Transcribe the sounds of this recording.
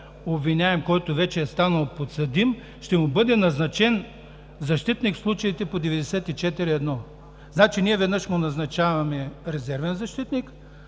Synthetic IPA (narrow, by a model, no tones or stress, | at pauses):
obvinʲaɛmkɔjt̪ovɛt͡ʃɛːst̪anəlˠpot̪sɐd̪im | ʃt̪ɛmʊbɤd̪ɛnɐznɐt͡ʃɛn | zɐʃt̪it̪nikfslˠut͡ʃɐit̪ɛpod̪ɛvɛd̪ɛsɛt̪it͡ʃɛt̪iɾiɛd̪nɔ | znat͡ʃiniɛvɛd̪nɤʃmonɐznɐt͡ʃavɐmɛɾɛzɛɾvɛnzɐʃt̪it̪nik